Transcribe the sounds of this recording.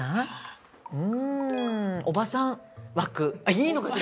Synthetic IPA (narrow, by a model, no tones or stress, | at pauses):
a | ɯ̟̃ | o̞basãɰ̃βakɯ̟aiːnokas